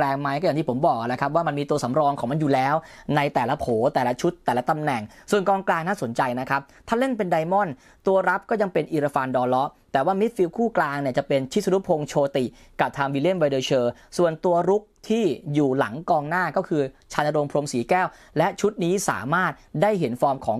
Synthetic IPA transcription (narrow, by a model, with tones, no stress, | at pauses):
lɛː˧ŋma˦˥jkɔː˥˩a˨˩t̪i˥˩pʰmbɔː˨˩k̚ʔa˧˩na˦kʰa˦˥p̚waː˥˩ma˧nmiː˧t̪u˧ɐsa˩˦mɾɔː˧ŋkʰɔː˩˦ŋma˧njuː˨˩lɛː˦˥wna˧jt̪ɛː˨˩la˦pʰoː˩˦t̪ɛː˨˩la˦˥t͡ɕʰu˦˥t̪ːɛː˨˩la˦t̪a˧mnɛ˨˩ŋsu˨˩ənkɔː˧ŋklaː˧ŋnaː˥˩so˨˩˦nt͡ɕa˧jna˦˥kʰa˦˥p̚t̪ʰaː˥˩le˥˩npe˧nda˧jmɔ˥˩n | t̪u˧ɐɾa˦˥p̚kɔː˥˩ja˧ŋpe˧nʔiː˧ɾa˧fa˧ndɔː˧lɔ˦˥ʔt̪ɛː˨˩waː˥˩mi˦˥t̪̚fi˧wkʰuː˥˩klaː˧ŋni˥˩ɐt͡ɕa˨˩pe˧nt͡ɕʰi˦˥t̪sa˧nu˦˥pʰo˧ŋt͡ɕʰoː˧t̪i˨˩ | ka˨˩p̚t̪ʰaː˧mwiː˧li˦˥˩nwa˧dɤː˧t͡ɕʰɤː˧ | su˨˩ənt̪u˧ɐɾu˦˥k̚t̪ʰiː˥˩juː˨˩la̰˩˦ŋkɔː˧ŋnaː˥˩kɔː˥˩kʰɯː˧t͡ɕʰaː˧nʔa˧ɾo˧mpʰɾo˧msiː˩˦kɛː˥˩w | lɛ˦˥t͡ɕʰu˦˥t̪̚niː˦˥sa̰ː˩˦maː˥˩t̪̚daː˥˩jɦe˩˦nfɔː˧˥mkʰɔː˩˦ŋ